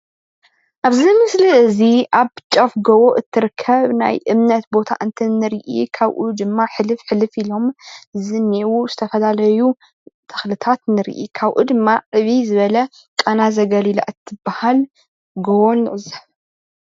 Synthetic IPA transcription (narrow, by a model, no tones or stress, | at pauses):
ʔaβzimɨsliɨziʔaβt͡ʃʼɐfɡɐwoʔɨt̪ʰːɨɾkʰːɐβna̰jʔɨmnɐt̪bo̞t̪ʰa̰ʔɨnt̪ʰɐnːɨɾiʔḭkʰaβʔud̪ɨmːaħɨlɨfħɨlɨfilo̞mɨzɨniwuzɨt̪ʰɐfɐlalɐju | t̪ʰɐ̥xlɨt̪ʰat̪nɨɾ̰ʔḭkʰaβʔṵd̪ɨmːaʕɨβizɨβɐlɐ | kʼɐnazɐɡɐlila̰ʔɨt̪ʰːɨbahal | ɡɐwonɨʕɨzɐ